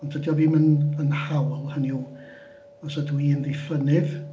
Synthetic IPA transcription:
ɔntʰədjɔviːmənənhawlˠhəniu | ɔsɔdwiːnðejfənɨð

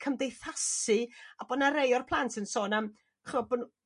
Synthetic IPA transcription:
kʰəmdejθasɨabɔnaɾejɔrpʰlˠantʰənsoːnam | χrɔːbənu

